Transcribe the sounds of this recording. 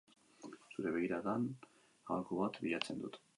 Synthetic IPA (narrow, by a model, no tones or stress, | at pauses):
suɾe̞βeɣ̞iɾaðan | a̰lkoβat̪biʎat͡se̞nd̪ut̪